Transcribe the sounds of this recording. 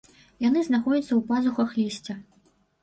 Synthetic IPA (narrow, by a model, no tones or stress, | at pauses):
jan̪ɨznaxɔd͡zʲɐt̪sːɐwpazuxɐxlʲisʲt͡sʲɐ